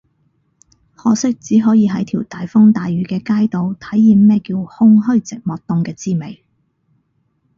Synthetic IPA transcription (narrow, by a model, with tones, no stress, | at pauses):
hɔː˨˧sɪ˥k̚t͡siː˨˥ɦɔː˨˥jiː˨˧ɦɐ˨˥jt̪ʰiː˨˩wt̪aː˨jfʊ˥ŋt̪aː˨jɥyː˨˥kɛː˧kaː˥jt̪o˨˧wt̪ʰɐ˨˥jːiː˨˧mːɛː˥kiː˧whʊ˥ŋɦɵ˥ɥt͡sɪ˨k̚mɔː˨k̚t̪ʊ˨˧ŋkɛː˧t͡siː˥me˨˩j